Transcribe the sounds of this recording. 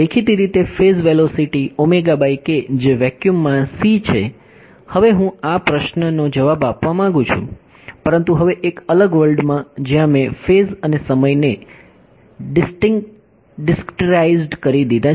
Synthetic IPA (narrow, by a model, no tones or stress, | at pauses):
ekʰit̪iɾit̪efezʋelosiʈiomeɡabaiked͡ʒeʋɛkjumːãsit͡ʃʰe | həʋeɦũapɾəʃnənod͡ʒəʋabapʋamãŋɡũt͡ʃʰṵ̃ | pəɾənt̪uɦəʋeʔekələɡʋəɭɖmãd͡ʒjãmẽfezənesəməjne | ɖɪsʈɪŋ | ɖɪskʈəɾaizɖkəɾid̪id̪a